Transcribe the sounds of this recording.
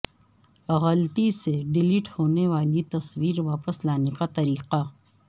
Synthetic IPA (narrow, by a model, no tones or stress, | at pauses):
ɣəlt̪iseɖɪliʈhoːneʋaːlit̪ɐswiːɾʋaːpəslaːnekat̪ɐɾiːqa